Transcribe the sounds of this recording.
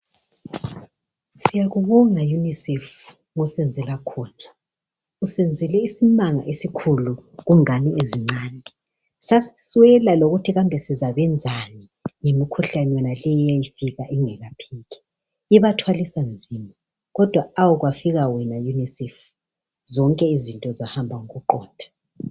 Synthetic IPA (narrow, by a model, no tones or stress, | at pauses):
sijaɣuβɔŋajunisɛf | ɣusɛnd͡zʱɛlakʰɔːna | usɛnd͡zʱɛlɛisimaŋa̰ʔesikʰuluɣuŋanieziŋ͡ǀaːndʱi | sasiswɛlaloɣutʰiɣambʱɛsizaβɛnd͡zʱani | ŋemikʰuɬanɛjɔnalɛjɔjajifiɣaʔiŋɛɣapʰiːɣɛ̥ | iβatʰwalisand͡zʱiːma | ɣɔd̥ʱwaːwuɣwafiɣawɛnajunisɛf | zɔŋkʼɛizintʼɔzahambʱaŋɔɣuǃɔ̰ːndʱa